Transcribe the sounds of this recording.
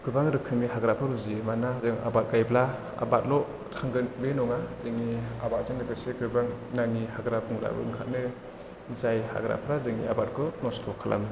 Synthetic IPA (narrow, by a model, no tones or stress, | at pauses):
ɡ̥ɯbaŋɾɯkʰɯmiɦaɡɾapʰɯɾuzimanazɯŋa̰bat̚ɡajbla | a̰bat̚lɔ | tʰaŋɡɯnbenɔŋazɯŋiabat̚zɯŋnɯɡɯseɡɯbaŋnaŋihaɡɾap̚ɯŋɾa̰bɯ̰ɯŋkʰat̚nɯ | zajha̰ɡɾa̰pʰɾazɯŋḭabat̚kʰɯnɔstʰɔkʰalʔa̰m